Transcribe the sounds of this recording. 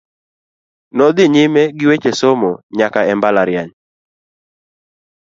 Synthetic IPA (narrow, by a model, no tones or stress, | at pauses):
nɔd̪ɪɲɪmeɡɪwet͡ʃesomoɲakaɛmbalaɾjaɲ